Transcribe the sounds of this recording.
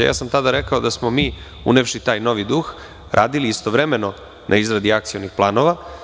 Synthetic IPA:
ja̰ːsamt̪ad̪aɾekao̞d̪asmo̞miː | ṵnefʃit̪aːjno̞ʋid̪ux | ɾʔa̰ːd̪iliːst̪o̞ʋɾeme̞no̞ | nʔa̰izɾad̪iakt̪sijo̞nixplˠaːno̞ʋa

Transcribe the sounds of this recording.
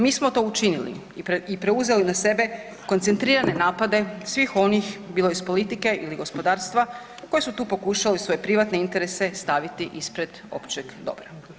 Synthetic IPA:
miːsmo̞t̪o̞ːut͡ʃinilḭ | ipɾe̞uze̞linase̞be̞ | kont̪se̞nt̪ɾiːɾane̞naːpad̪e̞sʋixo̞nixbiːlˠojispo̞lit̪ikeʔiliɡo̞spo̞d̪aːɾst̪ʋa | ko̞jesut̪uːpo̞kuʃalisʋo̞je̞pɾiʋat̪ne̞int̪e̞ɾese̞st̪aʋit̪iʔispɾe̞d̪ | o̞̰pt͡ʃe̞ɡd̪o̞̰bɾa

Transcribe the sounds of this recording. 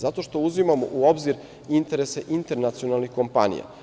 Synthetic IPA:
zat̪o̞ʃt̪o̞uzimamo̰ʔuo̞bziɾ | int̪e̞ɾeseʔint̪e̞ɾnat̪sio̞nalnixko̞mpanḭja̰

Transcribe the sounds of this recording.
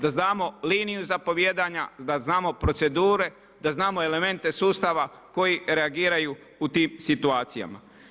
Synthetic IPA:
d̪aznaːmo̞liːnijuzapo̞ʋjeːd̪aɲad̪aznaːmo̞pɾo̞t̪se̞d̪uːɾe̞ | d̪̥aznaːmoele̞me̞nt̪e̞suːst̪aʋa | ko̞jiɾe̞aɡiːɾajuː | t̪iːmsit̪uaːt̪sija̰ma̰

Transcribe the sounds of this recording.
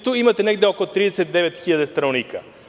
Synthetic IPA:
t̪uimat̪ɛnɛɡ̚d̪ɛɔkoot̪ɾid̪ɛsɛt̪̚d̪ɛvɛt̪xiʎad̪ɛst̪ɾanonika̰

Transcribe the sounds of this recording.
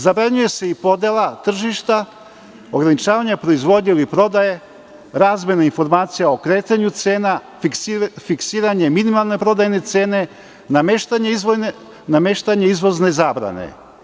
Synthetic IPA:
zabɾaɲuje̞se̞ipo̞d̪elˠat̪r̩ʒiʃt̪a | o̞ɡɾanit͡ʃaːʋaɲapɾo̞izʋo̞d̪ɲelipɾo̞d̪aje | ɾaːzmʲe̞nainfo̞ɾmaːt̪sijao̞kɾe̞ːt̪aɲut̪se̞ːna | fiksiːɾaɲeminimalˠne̞pɾo̞d̪ajne̞t̪se̞ːne̞ | nameʃt̪aɲeizʋon | name̞ʃt̪aɲeizʋo̞zne̞zaːbɾa̰nḛ

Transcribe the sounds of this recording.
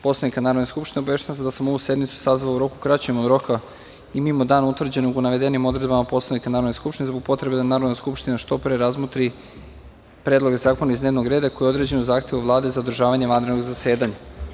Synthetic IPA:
po̞slanikanaːɾod̪neskupʃt̪inebeʃaʋased̪asamo̞ʋuse̞d̪mit̪su̥sazʋauɾo̞kukɾat͡ɕeemod̪ɾo̞ka | imimod̪aːnut̪ʋr̩d͡ʑe̞noɡunaʋe̞d̪enimo̞d̪ɾe̞d̪bamapo̞slˠanikanaːɾod̪neskupʃt̪inezbo̞ɡ̚po̞t̪ɾe̞be̞d̪anaːɾo̞d̪naskupʃt̪inaʃt̪o̞pɾeɾazmot̪ɾi | pɾe̞ːd̪lˠo̞ɡe̞zaːko̞naizne̞ːʋnoɡɾe̞ːd̪ako̞jeo̞d̪ɾe̞d͡ʑe̞nuzaːxt̪e̞ʋuʋlˠaːd̪e̞zaod̪r̩ʒaːʋaɲe̞ʋand̪ɾed̪noɡzase̞ːd̪aɲa

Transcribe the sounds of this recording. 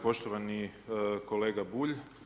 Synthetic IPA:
po̞ʃt̪oʋaniko̞leːɡabuːʎ

